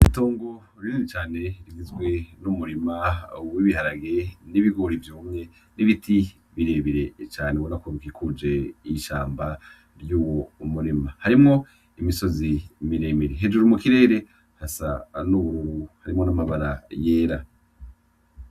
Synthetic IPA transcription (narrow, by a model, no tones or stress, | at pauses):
ito̞ːŋɡo̞ | ɾiizit͡ʃaːne̞ɾiɡizɡwe̞numuɾimawiβihaɾaɡe̞niβiɡoɾivjuːmŋe̞ | niβitʰi | βiɾe̞βiɾe̞t͡ʃaːnewonakoɾukikud͡ʒe̞iʃaːmba | ɾjuːwoumuɾimahaɾimŋo̞ | imiso̞zimiɾeːmeɾeɦed͡ʒuɾumukiɾe̞ːɾe̞ | hasa̰nuβuɾuɾuhaɾimŋo̞namaβaɾajeːɾa